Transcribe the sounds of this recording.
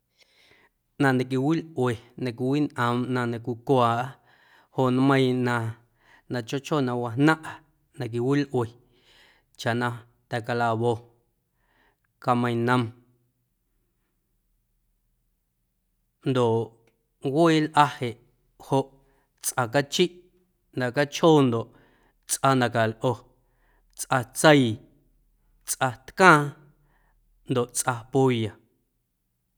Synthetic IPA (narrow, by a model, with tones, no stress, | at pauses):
nã˧nã˨k̬i˧wi˦lʔwe˨nã˨k̬ʷi˧wi˦nʔə̃˨mnã˧nã˧kʷi˧kʷaː˨ʔ | ho˧˨ʔnmə̃˦˧j̃nã˧ | nã˨t͡ʃo˦t͡ʃo˦˨nã˧wa˧ɦnã˦ʔa˨ | nã˨k̬i˨wi˦lʔwe˨ | t͡ʃa˨ʔnã˧ | t̪ɛ˨ka˧la˧βo˧ | ka˧mə̃˧j̃nə̃˧m | nd̪o˨ʔ | we˦eː˦lʔa˦he˨ʔ | ho˧ʔ | t͡sʔa˧k̬a˦t͡ʃi˦ʔ | nd̪a˨ka˦t͡ʃhoː˦nd̪o˨ʔ | t͡sʔa˧nd̪a˨ka˨lʔo˧ | t͡sʔa˧t͡sə˦j | t͡sʔa˧t̪kãː˦ | nd̪o˨ʔt͡sʔa˧pu˦ja˨